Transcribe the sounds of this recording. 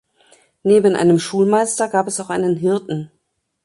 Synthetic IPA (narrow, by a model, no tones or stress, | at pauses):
neːbənʔa̰ɪnəmʃuːlmaɪstɐɡaːpɛsaʊxʔaɪnənɦɪɐtn̩